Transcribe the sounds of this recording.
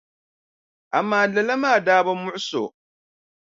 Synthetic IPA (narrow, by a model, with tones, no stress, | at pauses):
ʔa˨mːaː˦˨lɐ˨la˦maː˦˨daː˦ba˦mʊ˦ʔʊ˦so̰˨